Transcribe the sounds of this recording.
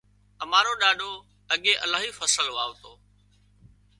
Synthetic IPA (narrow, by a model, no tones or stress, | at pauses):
əmaːɾoːɗaːɗoː | əɠẽːʔəlaːɦiːfəsəlʋaːʋt̪oː